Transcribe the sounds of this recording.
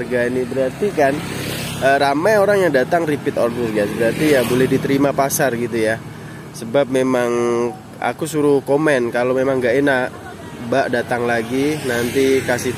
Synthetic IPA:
rɡainibəɾart̪ikanʔəːɾamajoɾaŋjaŋdat̪aŋripɪt̪ɔrdusɡasbəɾart̪ijabolɛhdit̪əɾimapasarɡit̪uja | səbap̚memaŋ | a̰kusuɾukomɛnkalomemaŋɡaʔenaʔ | baʔdat̪aŋlaɡinant̪ikasɪ

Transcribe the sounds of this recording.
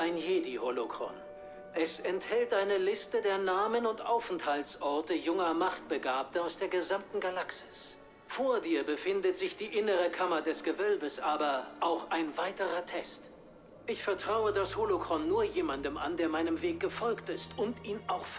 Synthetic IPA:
ʔaɪnjeːdiholokʁ̥ɔ̰n | ʔɛsɛnthɛltʔaɪnəlɪstədeːɐnaːmənʊntʔa̰ʊfnthaltsʔɔɐtəjʊŋɐmaχt̚b̥əɡaːp̚tɐaʊsd̥eːɐɡəzamtn̩ɡalaksɪ̥s | foːɐdiːɐbəfɪndətz̥ɪçd̥iːʔɪnəʁəkʰamɐdɛsɡ̥əvœlbəsʔaːbɐʔaʊxaɪnvaɪtəʁɐtʰɛst | ʔɪçfɛɐtʁ̥aʊədasholokʁ̥ɔnːuːɐjeːmandəmʔa̰ndeːɐmaɪnəmveːk̚ɡ̥əfɔlktɪstʊntʔiːnʔaʊxf

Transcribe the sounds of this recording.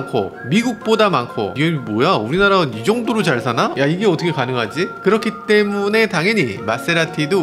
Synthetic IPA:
nkʰo̰miɡuk̚p͈odamankʰo̰iɡemojauɾinaɾaɯnid͡ʑʌŋdoɾot͡ɕaɭsʰanajaiɡe̞ʌtʰʌkʰe̞kanɯŋɦad͡ʑikɯɾʌkʰit͈e̞mune̞taŋɦʌɲimas͈e̞ɾatʰido

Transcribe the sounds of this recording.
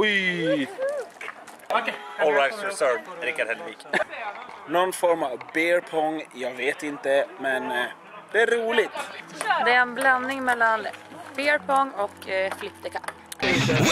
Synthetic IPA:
ɔj | ɔlɹajtsœɹɾɪkːad̪hɛlviːk | nɔnfɔɾmavbeːɾpʰɔŋːjɑːɡveːt̪ɪnt̪əmɛn | d̪̥ɛæɾːuːlɪt̪d̪ɛæɾɛnbland̪ɪŋmɛlːanb̥ɛːɾpʰɔŋːɔkflɪpt̪əkʰapː

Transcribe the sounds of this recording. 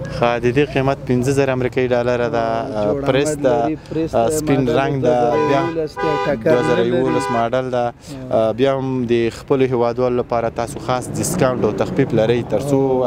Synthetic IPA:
xad̪əd̪eqimat̪̚pɪnzəzaɾaːmɾikɑiɖɑlaɾad̪apɾesd̪a | spɪnɾaŋɡd̪abjɑ | d̪wazaɾajawolasmɑɖald̪a | bjɑhamd̪əxpəloɦewɑd̪wɑlolapɑɾat̪ɑsoxɑsdɪskawɳʈawt̪axpiblaɾəjt̪əɾt͡so

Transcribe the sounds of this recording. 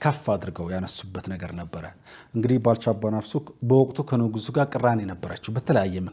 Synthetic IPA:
kʰəfːaːd̪ɨɾɡəwjanəsːubːət̪nəɡəɾnəbːəɾəʔɨŋɡɨd̪ihbalt͡ʃabːanafsubəwɔkʼt̪ʰukʰənoɡuzuɡakʼɨranɛnəbːəɾat͡ʃːɛwbət̪ʰələjajːɛmə

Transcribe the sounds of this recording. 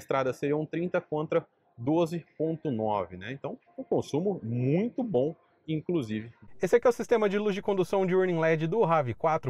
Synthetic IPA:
ɐst̪ɾad̪ɐseɾiɐũt̪ɾĩt̪ɐkõnt̪ɾɐ | d̪ozɪpõnt̪ʊnɔ̰vɪnɛẽt̪ɐ̃w̃ | ũkõsũmʊmũj̃t̪ʊbõ | ĩkluzivɪesɪɐkiɛwsist̪ẽmɐd͡ʒɪluzʒd͡ʒɪkõnd̪usɐ̃w̃d͡ʒɪuɾnĩlɛd͡ʒɪd̪ʊɦavɪkwat̪ɾʊ

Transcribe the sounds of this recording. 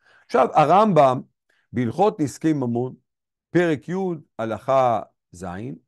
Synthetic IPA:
aχʃavaʁambam | bilχo̞t̪niskejmamon | pe̞ʁekʰjud̪alaχa | za̰in

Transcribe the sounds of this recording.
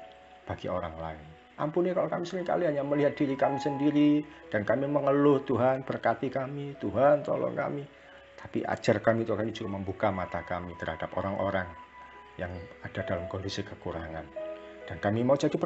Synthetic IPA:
b̥aɡ̥ḭo̰ɾa̰ŋla̰ɪn | ʔa̰mpunɲakalokamisəɾɪŋka̰liɦaɲaməliɦat̪̚d̥iɾikamisəndiɾid̥ankamiməŋəlʊht̪uɦanb̥ərkat̪ikamit̪uɦant̪ɔ̰lɔ̰ŋka̰mi | t̪ḁpḭʔa̰̥d͡ʒarkamit̪ukamid͡ʒuɡaməmbukamat̪akamit̪ərhad̥apo̰ɾaŋʔoɾaŋ | jaŋad̥adalamkondisikəkuɾa̰ŋand̥ankamimaud͡ʒadip

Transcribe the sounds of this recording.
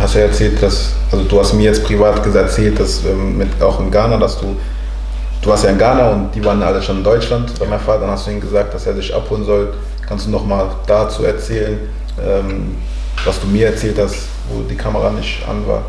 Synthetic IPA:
hastuːjaɛɐt͡sɛːltd̥as | ʔalzoduːhastmiːɐjɛt͡stpʁ̥ivaːtɡ̥əzɛɐt͡sɛːlt̚d̥asʔɛːmːɪtʔaʊxɪnɡaːnadasd̥uː | d̥uːvaːstjaːɪnɡaːnaʊntd̥iːvaːʁənʔa̰ləʃanɪndɔʏt͡ʃlantb̥aːmaɪnfaːtədanhastd̥uːʔiːnɡəzaːk̚t̚d̥aseːzɪçʔa̰phoːlənzɔl | kʰanstd̥uːnɔχmaːl | d̥aːt͡sṵːɛɐt͡sɛːlən | ʔɛːm | vasd̥uːmiːɐɛɐt͡sɛːlthast | vo̰ːdiːkʰaməʁanɪçtʔa̰nva̰ːɐ

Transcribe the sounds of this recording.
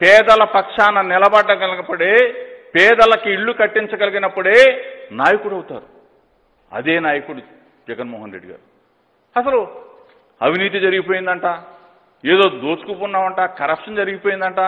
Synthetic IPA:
pɛːd̪ɐlɐpɐkʂaːnɐnɪlɐbɐɖːɐɡɐlɐpːuɽeːpɛːd̪ɐlɐkiiɭːukɐʈːiɲt͡ʃɐɡɐliɡinɐpːuɽe̞ːnaːjɐkuɽɐwt̪a̰ːɾu | ɐ̰d̪eːnaːjɐkuɽu | d͡ʒɛɡɐnmɔːɦɐnɾeɖiɡa̰ːɾu | ɐsɐlu | ɐʋiniːt̪̬id͡ʒɐɾiɡipoːjind̪ɐɳʈaː | eːd̪o̞ːd̪oːt͡ʃu̥kupunːaːʋɐɳʈaːkɐɾɐpʂɐnd͡ʒɐɾiɡipoːjind̪ɐɳʈaː

